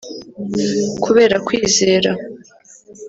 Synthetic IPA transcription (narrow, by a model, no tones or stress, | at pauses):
kʰuβe̞ːɾakwiːze̞ːɾa